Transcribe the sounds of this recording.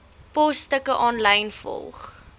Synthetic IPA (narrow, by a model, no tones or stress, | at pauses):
pɔstəkəʔɑːnləjnfɔ̰lˠχ